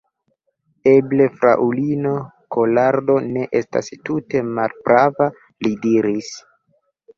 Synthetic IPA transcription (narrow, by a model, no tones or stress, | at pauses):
e̞ble̞fɾa̰ʔulino̞ | ko̞laɾdo̞ne̞ʔe̞sta̰stute̞malbɾava | lidiɾis